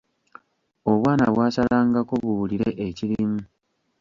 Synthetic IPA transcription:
o̞βwaːna̰βwaːsalaːŋɡakoβuuliɾeʔeciɾimu

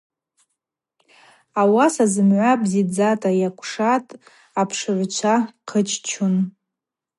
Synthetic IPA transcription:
awasazɨmʕʷabzid͡zatʼajakʷʰʼʂatʼ | apʰʂɨʕʷt͡ʃʷʰaqʰət͡ʃʰʼt͡ʃʰun

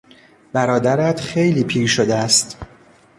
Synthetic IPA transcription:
b̥æɾɒːd̪æɾæt̪ʰxejliːpʰiːɾʃod̪eæst̪

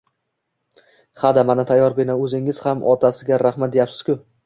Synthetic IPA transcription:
χad̪amanat̪ʰajːɒɾbenɒɵzɪŋɪz̥hamʔɒt̪ʰasɪɡʲaɾahmat̪̚d̪ejapsɪ̥z̥kʲʊ

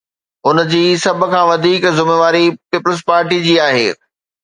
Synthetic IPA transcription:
ʊnd͡ʑiːsɐbʱʊ̆kʰãːʋɐd̪ʱiːkzʊmeːʋaːɾipiːpəlzpaːɾʈid͡ʑiːaːɦḛː

